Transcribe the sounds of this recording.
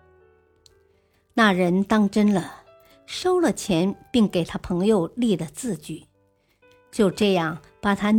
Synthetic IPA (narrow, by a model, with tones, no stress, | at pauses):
na˥˩ɻə˧˥nt̪ɑ˥ŋʈ͡ʂə˥nlə˨ | ʂo˥ʊlə˨t͡ɕʰjɛ˧˥npi˥˩ŋke˨˩ɪt̪ʰa˥pʰɤ˧˥ŋjo˧ʊli˥˩d̪ə˩t͡sɹ̩˥˧t͡ɕy˥˩ | t͡ɕjo˥˧ʊʈ͡ʂɤ˥˧jɑ˥˩ŋ | pa˨˩t̪ʰa˥